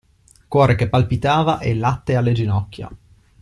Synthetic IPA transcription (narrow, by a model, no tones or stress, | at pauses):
kwɔːɾek̟epːalpit̪aːvaʔelːat̪ːealːed͡ʒinɔkʲːja̰